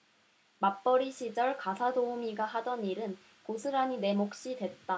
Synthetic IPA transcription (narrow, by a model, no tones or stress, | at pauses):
map͈ʌɾiɕʰid͡ʑʌɭkasʰadoumiɡahadʌniɾɯn | kosʰɯɾaɲine̞mok̚ɕ͈idwe̞t̚t͈a